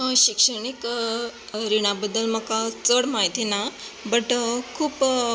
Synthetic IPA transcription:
ɕikʂəɳ̃ik | ɾiɽ̃abəd̪ːəlməkat͡səɽmaɦit̪inabəʈkʰuːp

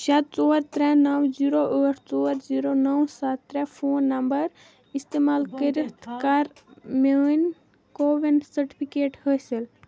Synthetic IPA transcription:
ʃɐt̪̚t͡soːɾt̪ɾɛnɐwd͡ʒiːɾoʔəːʈʰt͡soːɾziːɾonəwsat̪ːɾɛpʰoːnːɐmbəɾ | ist̪eːmaːlkəɾikt̪kaːɾmen | koːʋensəɾʈipʰikeːʈhəsil

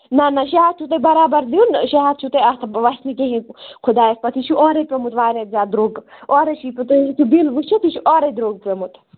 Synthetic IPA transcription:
nɐnɐʃiat̪̚t͡ʃʰut̪ebɐɾaːbɐɾliunʃiɦaːd̪̚t͡ʃʰut̪eɐt̪ʰʋɐsnikẽɦĩkʰʊd̪aːjespɐt̪ʰit͡ʃʰuʔɔːɾepemut̪ʋaːɾet̪zʲaːd̪ɾoːɡɔːɾeʃiːput̪t̪ʰubilʋut͡ʃʰut̪it͡ʃʰuʔɔːɾed̪ɾoːɡ̚pemut̪

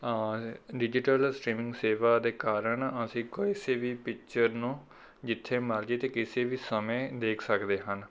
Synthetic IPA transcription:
ɖɪd͡ʒɪʈəlsʈɾiːmɪ̃ŋɡseːʋaːd̪eːkaːɾəɳəsĩːkɪseːʋiːpɪk̚t͡ʃəɾnũː | d͡ʒɪt̪ʰːeːməɾd͡ʒeːt̪eːkɪseːʋiːsəmẽːd̪eːkʰsəkd̪eːɦən

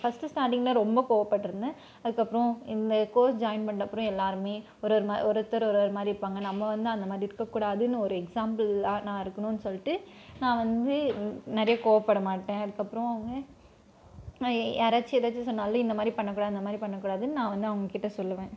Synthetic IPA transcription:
fɐsʈɯsʈaːɾʈɪŋɡɐlãːɾɔmbɐkoːʋɐpːɐʈːɯɾɯnd̪ɯ | ɐðɯkːɐpːɾɔ̃ɪnd̪ɐkoːsd͡ʒaːɪnpɐɳɖɐpːɯɾɔ̃ɛlːaːɾɯmeː | ɔɾɐɾɯmaɔɾɯt̪ːɐɾɔɾoːɾɯmaːd̪ɾiɪɾɯpːaːŋɡɐnɐmːɐʋɐnd̪ɯɐnd̪ɐmaːd̪ɾiɪɾɯkːɐkːuːɽaːðɯnːɯɔɾɯɛksaːmbɐlanãːɪɾɯkːɐnʊ̃nːɯsɔlːɪʈːɯnãːʋɐnd̪ɯnɐɾɐjɐkoːʋɐpːɐɽɐmaːʈːẽːɐðɯkːɐpːɯɾɔ̃ɐʋɐŋɡɐ | ɐɾat͡ʃːiɛɾat͡ʃːisɔnːaːlːõɪnd̪ɐmaːd̪ɾipɐɳːɐk̬ːuːɽaːðɐɪnd̪ɐmaːd̪ɾipɐɳːɐkːuːɽaːðɯnnãːʋɐnd̪ɯɐʋɐŋɡɐkɪʈːɐsɔlːɐʋẽː

